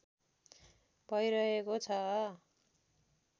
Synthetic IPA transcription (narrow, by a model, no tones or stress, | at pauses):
pʌjɾʌɦekot͡sʰʌ